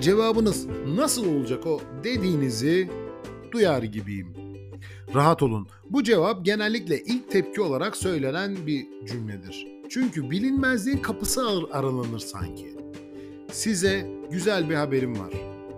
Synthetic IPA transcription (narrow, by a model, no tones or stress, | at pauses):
d͡ʒe̞vaːbɯnɯznasɯlˠo̞lˠud͡ʒako̞d̪e̞d̪iːnizi | d̪̥ujaːɾɯɟibḭjḭm | ɾaɦat̪olˠun | bud͡ʒe̞vap̚ɟe̞nælʲːiclʲɛʔilʲc̚t̪ʰɛp̚cʰio̞lˠaɾaksø̞jlʲe̞nænbi | d͡ʒymlʲɛd̪iɾ̝̥ | t͡ʃʰyɲcybilʲinmæzlʲiːnkʰapɯsɯaɾalˠanɯɾsa̰ɲcʰi | sizɛɟyzælʲbihabe̞ɾimva̰ɾ̝̥